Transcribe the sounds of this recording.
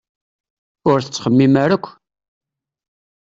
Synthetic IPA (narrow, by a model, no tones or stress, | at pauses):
ʊɾθə̥t͡sːχəmːimæɾækʷː